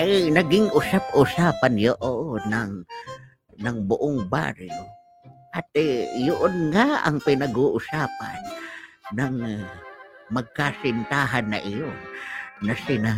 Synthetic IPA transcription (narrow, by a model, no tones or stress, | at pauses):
ʔajnɐɡɪŋʔʊsap̚uːsaːpanjoʔoʔnɐŋ | nɐŋbʊʔoŋba̰ɾɪŋo | ʔat̪ejʊʔonŋaʔɐ̰ŋpɪnɐɡuːʔʊsaːpa̰nː | ɐŋ | mɐɡ̚kasɪnt̪aːɦanːɐ̰ʔɪjo | nɐsɪna